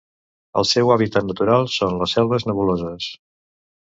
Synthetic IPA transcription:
ə̰lˠsɛwaβit̪at̪nət̪uɾalˠsonləsɛlˠβəznəβulozəs

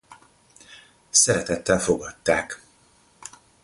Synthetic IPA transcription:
sɛɾɛt̪ɛt̪ːɛlfo̞ɡɒt̪ːaːk

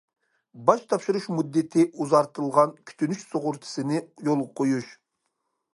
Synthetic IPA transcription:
bɑʃt̪ʰɑpʃɨɾuʃmud̪ːɪt̪ʰɪʔuzɑɾt̪ʰɨlˠʁɑnkʲʰy̥t̪ʰynyʃsoʁʊɾt̪ʰɨ̥sɨnɪjolˠʁɑqʰojuʃ

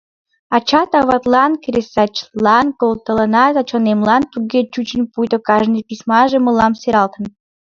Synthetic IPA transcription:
ɑt͡ɕɑt̪ɑβɑt̪lˠɑnkɾʲesɑt͡ɕlˠɑnkolt̪ələnɑt̪ɑt͡ɕonemlɑnp̪uɡʲet͡ɕut͡ɕənʲpujt̪okɑʒnɨjpʲisʲmɑʒeməlɑmseɾɑlt̪ən

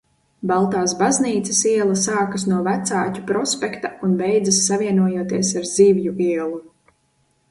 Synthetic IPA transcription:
balˠt̪aːsbazniːt̪sɐsiɛlˠɐsaːkɐsnuɔvæt̪saːcʲupɾɔspʲekt̪aunbɛjd̪zɐsːavʲiɛnuɔjuɔt̪iɛsaɾziːvjuiɛlˠu

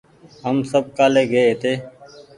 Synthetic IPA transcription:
ɦəmsəb̚kaːleːɡəeːt̪ʰeː

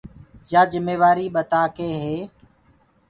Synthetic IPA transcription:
d͡ʒaːd͡ʒəmeːʋaːɾiːɓət̪aːkeːɦeː

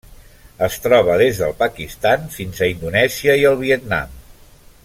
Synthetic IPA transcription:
əst̪ɾɔβ̞əðezðə̰lˠpəkist̪anfinzəind̪unɛziəiəlˠβiət̪̚na̰m

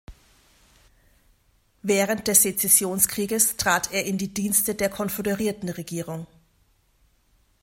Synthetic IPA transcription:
vɛːʁəntd̥ɛsd̥et͡sɛsjoːnskʁ̥iːɡəstʁ̥aːteːɐʔɪndiːdiːnstədeːɐkʰɔnfɔdəʁiːɐtn̩ʁeɡiːʁʊŋ

